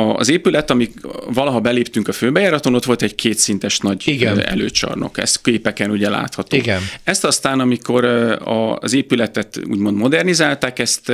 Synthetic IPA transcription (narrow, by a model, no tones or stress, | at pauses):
ɒzeːpylɛt̪ɒmivɒlɒɦɒbɛleːpt̪yŋkɒføːbɛjɛɾɒt̪ono̞t̪ʋo̞lt̪ɛɟkʰeːt̪sin̪t̪ɛʃnɒɟiɡɛ̰lø̰ːt͡ʃɒ̰rno̞̰kɛ̰st̪keːpɛkɛnuɟɛla̰ːt̪hɒt̪o̰iɡɛnɛst̪ɒst̪aːnɒmiko̞ɾɒ̰zeːpylɛt̪ɛt̪ṵːɟmo̞nd̪mo̞d̪ɛrnizaːlt̪aːkɛst̪